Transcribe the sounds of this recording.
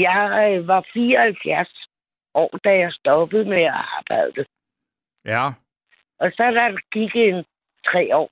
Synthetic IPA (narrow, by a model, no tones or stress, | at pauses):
jɑ̈ɪʋɑ̈fiːɒhælfjæɐ̰s | ʔɒ̰ːd̥æjɑ̈ɪsd̥ɒ̽b̥ð̩ˠmeæɑ̈ːb̥ɑ̈ɪ̰d̥ə | ʔɒ̽sɒ̽d̥ɑɡ̥iɡ̥en | t͡sʰʁɛ̰ːɒ̰ː